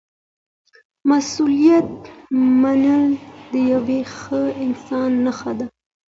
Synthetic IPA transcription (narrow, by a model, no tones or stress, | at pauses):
masulijat̪̚manəld̪əjawexəɪnsɑnːaxad̪a